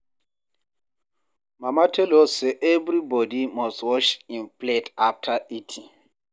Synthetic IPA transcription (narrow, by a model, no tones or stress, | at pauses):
mamatʰɛlosɛʔɛvɾibɔdimɔstwɔt͡ʃĩnpletaf̚tʰaʔitʰi